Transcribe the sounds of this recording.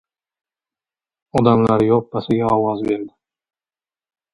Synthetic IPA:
ɒd̪ɑmlˠɑɾjop̚bɑsɪɡʲɛɑwɑzbeɾd̪ɪ

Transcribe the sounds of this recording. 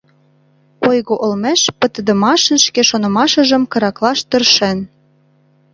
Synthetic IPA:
ojɣoʔolmeʃpə̆t̪ə̆d̪ə̆mɑʃə̆nʃkeʃonɤ̆mɑʃə̆ʒə̆mkɤ̆ɾɑklɑʃt̪ə̆rʃen

